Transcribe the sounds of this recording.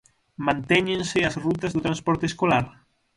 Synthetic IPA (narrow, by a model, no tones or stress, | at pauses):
mãnt̪ɛɲẽnsɪasrut̪̬ɐzðot̪ɾãnspɔɾt̪eskolaɾ